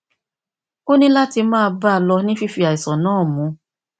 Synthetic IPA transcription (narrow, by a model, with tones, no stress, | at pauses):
o˦nĩ˦la˦ti˧mãː˦˧ba˦˧lɔ˧nĩ˦fi˦fi˧a˨i˨sɔ̃˨nãː˦˨mũ˨˦